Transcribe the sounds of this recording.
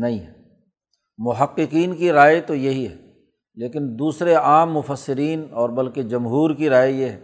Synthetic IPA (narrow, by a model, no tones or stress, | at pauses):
nɐɦĩɦɛ | mʊɦɐqːɪqiːnkiɾaːet̪ojɐɦiɦɛː | leːkɪnd̪uːsɾeaːmːʊfəsːɪɾiːnɔːɾbɐlked͡ʒɐmɦuːɾkiɾaːejeɦɛː